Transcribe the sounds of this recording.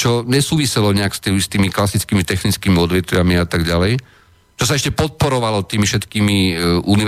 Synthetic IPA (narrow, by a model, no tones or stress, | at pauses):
t͡ʃɔɲɛsuːʋisɛlɔɲɛakst̪ist̪iːmiklasit͡skimit̪ɛxnit͡skiːmiɔd̪ʋɛt̪ʋɪamiat̪aɡɟalɛj | t͡ʃɔsaɛʃcɛpɔt̪̚pɔɾɔʋalɔt̪iːmifʃɛt̪kiːmiʔuniʋ